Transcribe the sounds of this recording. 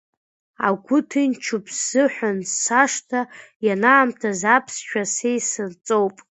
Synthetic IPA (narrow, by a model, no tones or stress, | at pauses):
a̰ɡʷʊtʰɨnt͡ʃʰupʰz̥ːɨħʷᶣanːaʂtʰajanaːmtʰazapʰsʃᶣasejsɨrt͡sʼowpʼ